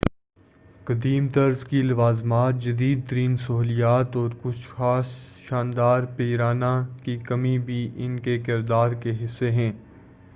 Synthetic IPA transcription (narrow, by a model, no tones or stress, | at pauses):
kɐd̪iːmt̪ɐɾzkilɐʋaːzmaːt̪̚d͡ʒɐd̪iːd̪̚t̪əɾiːnsɐɦuːlijaːt̪ɔːɾkʊt͡ʃʰxaːsʃaːnd̪aːɾpeːɾaːnakikɐmibʱiʔɪnkekɪɾd̪aːɾkeɦɪsːeɦɛ̃ː